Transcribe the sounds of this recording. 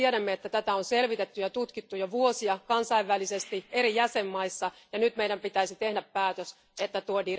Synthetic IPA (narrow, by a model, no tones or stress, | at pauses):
iɛɾæmːeet̪ːæt̪æt̪æonselʋit̪et̪ːyjɑt̪ut̪kit̪ːujoʋuosiɑkɑnsɑiʋːælisest̪ieɾijæsemːɑisːɑjɑnyt̪mejdæmpit̪æisit̪ehdæppæːt̪øs | et̪ːæt̪uodi